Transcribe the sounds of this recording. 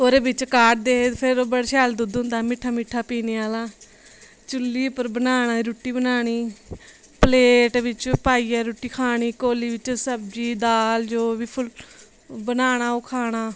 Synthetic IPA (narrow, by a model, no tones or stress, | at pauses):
oːɾeːbɪt͡ʃkaːʈ̚d̪eːpʰɪɾbəɽʃaːld̪ud̪ʊ̃nd̪aːmɪʈʰːaːmɪʈʰːaːpiːneːaːlaː | t͡ʃʊlːiːpəɾbənaːñaːɾuːʈiːbənaːɳ̃iː | pəleːʈʋɪt͡ʃpaːiːɛːɾuːʈiːkʰaːɽ̃iːkoːliːʋɪt͡ʃsəbd͡ʒiːd̪aːld͡ʒoːʋiːpʰʊl | bənaːɽ̃aːʊkʰaːɽ̃aː